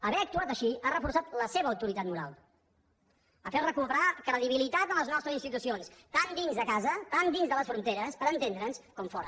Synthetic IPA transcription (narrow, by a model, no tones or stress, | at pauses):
əβɛək̚t̪uat̪əʃiarəfuɾsat̪ləseβəːwt̪uɾit̪at̪muɾa̰lˠ | əfɛrəkupəɾakɾəðiβ̞ilit̪at̪ənləznɔst̪ɾəzinst̪it̪usionst̪and̪inzðəkazət̪and̪inzðələsfɾunt̪eɾəspəɾənt̪end̪ɾənskɔmfɔɾə̰